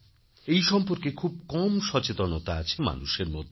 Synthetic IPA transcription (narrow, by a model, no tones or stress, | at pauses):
ejʃɔmpoɾkekʰub̚kɔmʃɔt͡ɕet̪onot̪aat͡ɕʰema̰nuʃeɾmo̰d̪ʱ